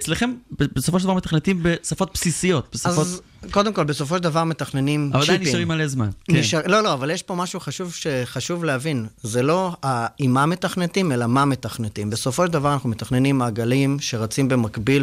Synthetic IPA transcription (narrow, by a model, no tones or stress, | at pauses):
et͡sleχembebesofoʃedavaʁmet̪aχnet̪imbesafo̞t̪̚psisijo̞t̪̚b̥esazfo | ko̞d̪e̞mko̞lbeso̞f̬o̞ʃeld̪avaʁme̞t̪aχne̞nimavadajnʃʁimalezma̰nkniʃalo̞lo̞avaljeʃpo̞maʃuχaʃuvʃe̞χaʃuvleavinze̞lo̞aimame̞t̪aχnetimelamame̞t̪aχnet̪imbe̞so̞foʃeld̪avaʁanaχnumet̪aχne̞nimaɡalimʃe̞ʁat͡simbe̞makbil